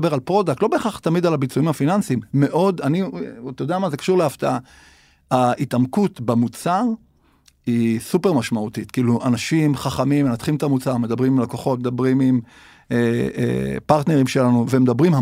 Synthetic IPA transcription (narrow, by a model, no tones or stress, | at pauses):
beʁalpʁo̞d̪ak̚tlo̞be̞ːχaχt̪amid̪alabit͡suimhafinansimːe̞ʔo̞d̪anit̪jod̪eamazekḁʃuʁleaft̪aa | hait̪amkut̪bamut͡saʁ | isupe̞ʁmaʃmaut̪it̪kiiluʔanaʃimχaχamimːenat̪χimt̪amut͡saʁme̞d̪abʁimimlako̞χo̞t̚med̪abʁimim | eḛpaʁt̪ne̞ʁimʃe̞lanuvemed̪abʁimha